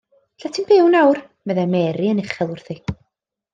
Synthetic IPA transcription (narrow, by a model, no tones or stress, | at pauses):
ɬatʰɪmb̥ɪwnawr | mɛðɛmɛɾiənɪχɛlˠʊrθi